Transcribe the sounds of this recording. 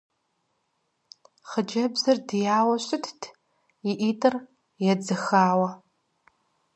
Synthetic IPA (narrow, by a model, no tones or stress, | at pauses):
χəd͡ʒɐbzɐrdijaːwɐɕʷʼɪtʰtʰ | iʔiːtʰʼɨr | jɛd͡zɨxaːwɐ